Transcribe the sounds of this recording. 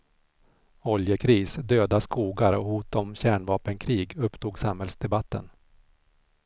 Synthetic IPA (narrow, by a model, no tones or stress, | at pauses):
ɔljəkʰɾiːsd̪øːd̪askuːɡaɾɔhuːt̪ɔmɕæːɳvɑːpənkʰɾiːɡɵpt̪ʰuːɡsamhɛlsd̪ɛbat̪ːə̰n